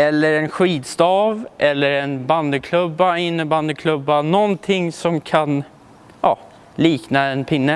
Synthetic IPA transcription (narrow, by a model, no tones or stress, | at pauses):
ɛlːəɾɛnɧiːd̪st̪ɑːvʔɛlːəɾɛnband̪əkʰlɵbːaɪnːəband̪əkʰlɵbːanɔnt̪ʰɪŋːsɔmkʰan | ɑː | liːknaɛnpʰɪnːə